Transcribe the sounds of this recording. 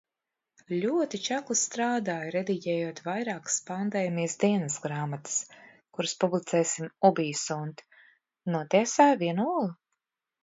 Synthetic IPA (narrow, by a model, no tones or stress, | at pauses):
lʲuɔt̪it͡ʃaklˠist̪ɾaːd̪aːjɾɛd̪iɟʲɛːjuɔt̪vajɾaːkspand̪eːjmijsd̪iɛnɨsɡɾaːmat̪ɨ̥s | kuɾɨspublˠit̪sɛːsimubiːsunt̪ | nuɔt̪iɛsaːjviɛnuɔlˠ